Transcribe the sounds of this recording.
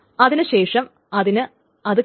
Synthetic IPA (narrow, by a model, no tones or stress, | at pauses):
ɐðinɨɕe̞ːʂɐm | ɐðinɨ | ɐðɨ